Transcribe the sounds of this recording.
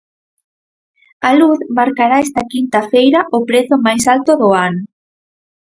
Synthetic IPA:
aluθmaɾkaɾaɛst̪ɐkint̪afejɾɐʔʊpɾeθʊmajsalt̪ʊðʊanʊ

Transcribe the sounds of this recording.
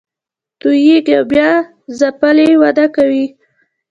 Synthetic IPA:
t̪ujeɡawbjɑ | zapalewad̪akawi

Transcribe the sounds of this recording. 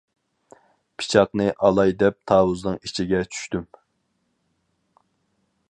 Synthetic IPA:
pʰi̥t͡ʃʰɑqnɨʔɑlˠɑjd̪ɛp̚t̪ʰɑːwuznɨŋit͡ʃʰiɡʲɛt͡ʃʰy̥ʃt̪ym

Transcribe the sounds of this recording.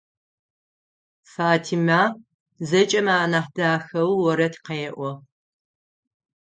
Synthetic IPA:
faːtʰima | zɐt͡ʃʼɐmaːnaːħdaːxɐwwɔɾɐtʰqejʔʷɔ

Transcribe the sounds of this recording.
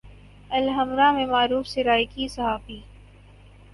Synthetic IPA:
ɐlɦɐmɾãmẽmaːɾuːfsɪɾaːjkisɐɦaːfiː

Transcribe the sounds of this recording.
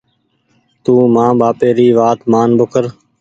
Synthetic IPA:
t̪uːmãːɓaːpeːɾiːʋaːt̪maːnbʊkʰəɾ

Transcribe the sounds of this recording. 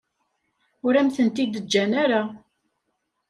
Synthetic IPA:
ʊɾæmθənt̪id̪əd͡ʒːænaɾa

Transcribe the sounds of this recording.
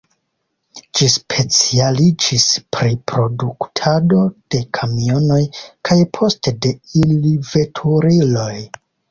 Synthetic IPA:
d͡ʒispʰe̞t͡sialid͡ʒispɾipɾo̞duktʰado̞d̥e̞kʰamio̞no̞jkʰajpʰo̞ste̞de̞ilive̞tʰuɾilo̞j

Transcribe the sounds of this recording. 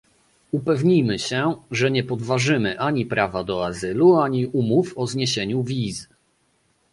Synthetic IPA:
upɛvɲijmɘɕɛʐɛɲɛpɔd̪vaʐɘmɘʔaɲipɾavad̪ɔazɘluaɲiʔumufɔzɲeɕeɲuvʲiz

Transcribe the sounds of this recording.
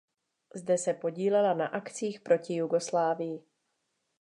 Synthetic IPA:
zdɛsɛpo̞ɟiːlɛlana̰ʔakt͡siːxpɾo̞cɪjuɡo̞slaːvɪjɪ

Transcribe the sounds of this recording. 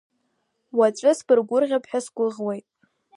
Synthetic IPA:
wat͡ʃʷʼɨsbɨrɡʷʊrʁʲapʰħᶣasɡʷʊʁwejtʼ

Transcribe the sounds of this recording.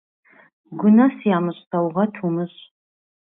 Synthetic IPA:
ɡʷʊnɐsjaːmɨɕʼtʰɐwʁɐtʰumɨɕʼ

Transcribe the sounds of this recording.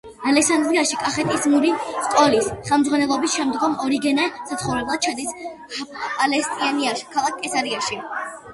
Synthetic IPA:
alɛksand̪ɾiaʃikʼaχɛt̪ʼismuɾiskʼɔlisχɛlˠmd̪zʁwanɛlˠɔbisʃɛmd̪ɡɔmɔɾiɡɛnɛsat̪sʰχɔvɾɛblˠad̪̚t͡ʃʰad̪isʼ | alɛst̪ʼianiaʃkʰalˠak̚ʰkʼːɛsaɾiaʃi

